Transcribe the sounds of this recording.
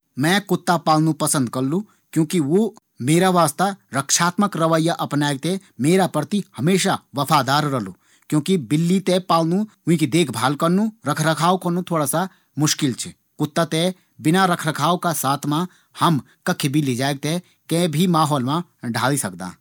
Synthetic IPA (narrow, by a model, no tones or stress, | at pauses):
mɛ̃ːkʊt̪ːapaːlnũpɐsə̃nd̪̚kɐɾlũ | kjõːkiʋo | meːɾaʋaːst̪aɾɐkʃaːt̪məkɾɐʋəjːaʔɐpnaːeɡ̚t̪emeːɾapɾət̪ihɐmeːʃaʋɐfʰaːd̪aːɾɾɐluː | kjõːkibɪlːit̪epaːlnũʊ̃ĩkid̪eːkʰbʱaːlkɐɾnũɾɐkʰɾəkʰaːwkɐnũt̪ʰoːɽasa | mʊʃkɪlt͡ʃʰɛ | kʊt̪ːat̪e | bɪnaɾɐkʰɾəkʰaːwkasaːt̪ʰmã | hɐm | kɐkʰibʱilid͡ʒaːeɡ̚t̪e | kɛ̃bʱimaːɦɔːlmãɖʱa̰ːlisɐkd̪a̰ː